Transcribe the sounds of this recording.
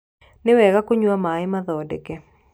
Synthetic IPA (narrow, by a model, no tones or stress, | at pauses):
nɪwɛɣakoɲwamaɪmaðɔdɛkɛ